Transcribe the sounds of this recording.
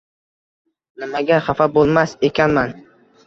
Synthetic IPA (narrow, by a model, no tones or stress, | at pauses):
nɪmaɡʲaχafabolˠmase̞kʲʰanman